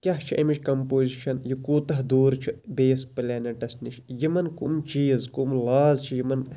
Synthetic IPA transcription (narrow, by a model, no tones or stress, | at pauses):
kʲɐɦt͡ʃʰiʔɐmit͡ʃʰʲkɐmpoːziʃʰɐnjikuːt̪ɐɦd̪uːɾt͡ʃʰibeːspɐlʲaːnɐʈɐsniʃʰjimɐnkṵmt͡ʃiːzkumlaːzt͡ʃʰijimɐn